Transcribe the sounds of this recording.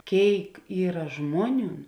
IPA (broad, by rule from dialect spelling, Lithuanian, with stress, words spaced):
ˈkʲeːɪk ˈiːrɐ ˈʒmuɔˌnʲuːn